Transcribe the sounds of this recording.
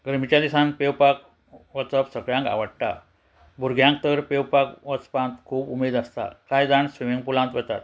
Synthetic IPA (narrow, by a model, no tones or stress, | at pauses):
ɡəɾmit͡ɕjad̪isãnpewpak̚ | ʋəsəpsəɡɭjãŋka̰ʋəɽʈ̪a̰ | bʱuɾɡʱjãŋk̚t̪əɾpewpakʋəspãnt̪kʰuːbumed̪ast̪a̰kajd͡z̪aɳsʋimiŋɡpulãnt̪ʋɛt̪at̪